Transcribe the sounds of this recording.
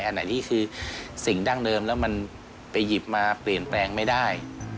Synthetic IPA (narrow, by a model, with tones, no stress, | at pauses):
jʔa˧nːa˨˦jt̪ʰiː˥˩kʰɯː˧si˨˩ŋdaː˥˩ŋdɤː˧mlɛː˦˥wma˧n | pa˧jːi˨˩p̚maː˧pli˨˩ənplɛː˧ŋma˥˩jdaː˥˩j